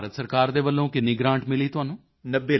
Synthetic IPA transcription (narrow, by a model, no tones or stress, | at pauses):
ɾət̪səɾkaːɾd̪eːʋəlːõːkɪnːiːɡɾãːɳʈmɪliːt̪ʊɦaːnũː | nəbeː